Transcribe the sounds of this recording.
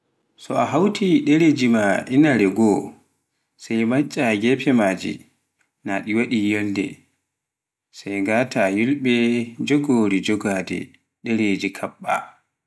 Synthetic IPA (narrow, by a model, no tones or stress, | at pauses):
sɔaɦawtʰiɗɛɾed͡ʒimaʔinaɾɛɡɔ | sajmat͡ʃʼːaɡɛpʰɛmaːd͡ʒḭ | naɗiwaɗijɛldɛ̰ | sajɡaːtʰajulɓɛd͡ʒɔɡoːɾid͡ʒɔɡadɛ̰ | ɗɛɾed͡ʒikʰaɓːa̰